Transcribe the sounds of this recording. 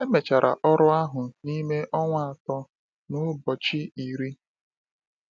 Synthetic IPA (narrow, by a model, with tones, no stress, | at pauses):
e˦me˨t͡ʃa˨ɾʔa˨ʔɔ˦ɾʊ˦a˦ɦʊ˨ni˦me˦ʔɔ˦ŋʷ˦˨a˨tɔ˦ | nʊ˦bɔ˨t͡ʃi˦i˨ɾi˦